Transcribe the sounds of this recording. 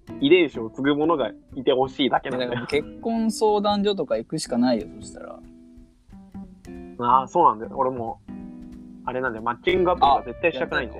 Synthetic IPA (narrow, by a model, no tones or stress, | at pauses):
id̪ẽ̞ɰɕiot͡sɨɡɯmo̞no̞ɡait̪e̞ho̞ɕiːd̪ake̞nad̪akke̞kːõ̞ɰ̃so̞ːd̪ãɲd͡ʑo̞t̪o̞kaikɯ̟ɕi̥kanaijo̰so̞ɕi̥t̪a̰ɾa̰ | aso̞ːnãnd̪esoɾe̞mo̞ | aɾe̞nãnd̪emat͡ɕːĩŋɡapaaze̞t̪ːaiɕit̪akɯ̟naind̪e